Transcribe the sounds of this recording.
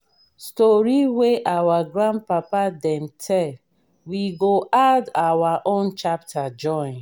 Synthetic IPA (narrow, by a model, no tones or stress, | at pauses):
stɔɾiweʔawaɡɾãnd̚papadɛ̃mtʰɛl | wiɡoʔadawaʔõnt͡ʃap̚tʰad͡ʒɔ̃ɪ̃n